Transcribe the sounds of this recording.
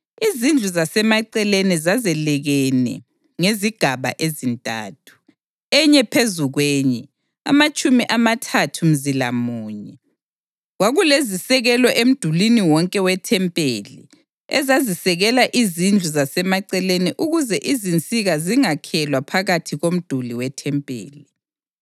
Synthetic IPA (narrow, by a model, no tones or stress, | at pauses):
izind͡ɮʱuzasɛmaǀɛlenizazɛlɛɣɛnɛ̰ | ŋeziɡ̥ʱaβa̰ʔezintʼa̰ːtʰu̥ | ɛɲɛpʰezuɣweːɲɛ | a̰mat͡ʃʼumiʔamatʰatʰum̩zila̰muːɲɛ | ɣwaɣulezisɛɣɛlɔʔem̩d̥ʱuliniwɔŋkʼɛwɛtʰɛmpʼḛːlḭ | ɛ̰zazisɛɣɛlaʔizind͡ɮʱuzasɛmaǀɛleniʔuɣuzɛʔizint͡sʼiɣaziŋakʰɛlwapʰaɣatʰiɣom̩d̥ʱuliwɛtʰɛmpʼḛːli